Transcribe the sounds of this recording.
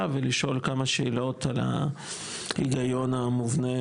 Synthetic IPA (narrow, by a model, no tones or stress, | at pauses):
aveliʃo̞lkamaʃeːlo̞t̪ala̰ | iɡajo̞namuvne